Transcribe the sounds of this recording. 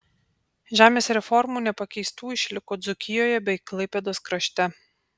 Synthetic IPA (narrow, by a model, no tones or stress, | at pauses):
ʒʲæːmʲeːsɾʲɛfɔɾmuːnʲɛpɐkʲɛɪst̪uːɪʃʲlʲɪkoːd̪zʊkʲɪjoːjɛbʲɛɪklˠɐɪpʲɛd̪oːskɾɐʃʲt̪ʲɛ